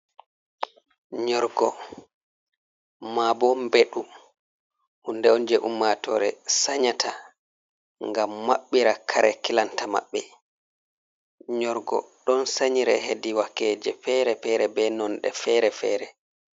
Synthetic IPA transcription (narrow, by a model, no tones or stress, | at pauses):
ɲɔɾɡɔ | mabɔmbeɗu | hundɛɔnd͡ʒɛʔumːatɔɾɛsaɲatʰa | ŋɡamːaɓːiɾakʰaɾɛkilantama̰ɓːɛ | ɲɔɾɡɔ̰ɗɔnsaɲiɾɛ̰ɦediwakːɛːd͡ʒɛfɛɾɛfɛɾɛbɛnɔnɗɛfɛɾɛfɛːɾɛ